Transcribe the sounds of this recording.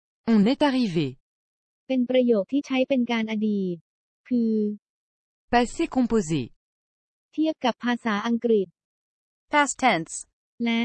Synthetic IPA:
ɔ̃nɛt̪aʁive | pe˧npɾa˧joː˨˩k̚t̪ʰiː˥˩t͡ɕʰa˦˥jpe˧nkaː˧nʔa˧diː˨˩t̪̚ | pʰɯː˧ | pase˦kɔ̃pozḛ | t̪ʰi˥˩əp̚ka˨˩pʰːaː˧saː˩˦ʔa˧ŋkɾi˨˩t̪̚ | pʰast̪ʰɛns | lɛ˦˥

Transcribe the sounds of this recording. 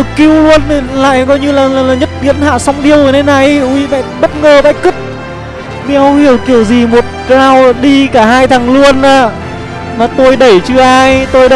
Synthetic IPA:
ki˧wlu˧ən˨˩la̰ː˧˨jkɔ˨˧˦jɲɨ˧laː˨˩la˨˩laː˨˩ɲə˦˥t̚ɓi˨˦˥ənha̰ː˧˨sa˧wŋ͡mɗi˧əwjna˨˧˦jna˨˩jʔu˧ɓa̰˧˨ɓə˦˥t̚ŋəː˨˩ɓa̰ː˧˨jki˦˥t̚ | mi˧˩hɔ˧whi˧˩əwki˧˩əwzi˨˩mo˨˩t̚kaː˧wɗi˧kaː˧˩haː˧jt̪ʰa˨˩ŋlu˧ənʔaː˧˩ | maː˨˩t̪o˧jɗə˧˩jt͡ɕɨ˧ʔaː˧jt̪o˧jɗə˧

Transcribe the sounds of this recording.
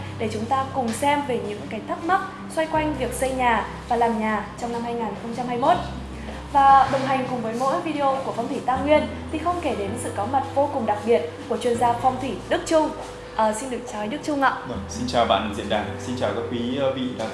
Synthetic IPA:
ɗe˧˩t͡ɕʊ˨˦ŋ͡mt̪aː˧kʊ˨˩ŋ͡msɛ˧mve˨˩ɲɨ̰˧˥ŋka˨˦jt̪ʰa˦˥k̚ma˦˥k̚ | swa˧jkwa˧jŋ̟vi˨˩ək̚sə˧jɲaː˨˩vaː˨˩laː˨˩mɲaː˨˩t͡ɕɔ˧wna˧mhaː˧jŋaː˨˩nxə˧wŋ͡mt͡ɕa˧mhaː˧jmo˦˥t̚ | vaː˨˩ɓɨ˨˩ŋɦa˨˩jŋ̟kʊ˨˩ŋ͡mvəː˨˦jmo̰˧˥jvi˧ɗe˧ʔo˧ku˧˩əfa˧wŋ͡mt̪ʰi˧˩t̪aː˧ŋwi˧ən | t̪ʰi˨˩xə˧wŋ͡mke˧˩ɗe˨˦nsɨ̰˧˨kɔ˨˦ma˨˩t̚vo˧kʊ˨˩ŋ͡mɗa˨˩k̚ɓi˨˩ət̚ku˧˩ət͡ɕwi˧ənzaː˧fa˧wŋ͡mt̪ʰi˧˩ɗɨ˦˥k̚t͡ɕʊ˧ŋ͡m | ʔəː˨˩si˧nɗɨ˨˩ək̚t͡ɕɔ˨˩˦jɗɨ˦˥k̚t͡ɕʊ˧ŋ͡mʔa̰ː˧˨ə˨˧˩si˧nt͡ɕaː˨˩wɓa̰ː˧˨nzḭ˧˨ənɗaː˧˩nsi˧nt͡ɕaː˨˩wkaː˨˦˥kwiː˨˦˧vḭ˧˨la̰ː˧˩

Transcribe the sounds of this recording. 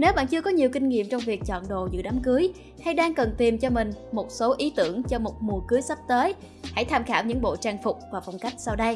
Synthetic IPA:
ne˨˦wɓa̰ː˧˨nt͡ɕɨ˧əkɔ˨˦ɲi˨˩əwkï˧ŋ̟ŋḭ˧˨əmt͡ɕɔ˧wŋ͡mvi˨˩ək̚t͡ɕɔ̰˧˨nɗo̰˧˨zɨ̰˧˥ɗa˨˦mkɨ˨˦əj | ha˧jɗaː˧ŋkə˨˩nt̪i˨˩mt͡ɕɔ˧mï˨˩ŋ̟mo˨˩t̚so˨˦ʔi˨˦t̪ɨ̰˧˩əŋt͡ɕɔ˧mo˨˩t̚mu˨˩əkɨ˨˦əjsa˦˥p̚t̪əː˨˦j | ha̰˧˩jt̪ʰaː˧mxaː˧˩wɲɨ̰˧˥ŋɓo̰˧˨t͡ɕaː˧ŋfʊ˨˩k͡p̚vaː˨˩fa˧wŋ͡mka˦˥jk̟̚sa˧wɗə˧j

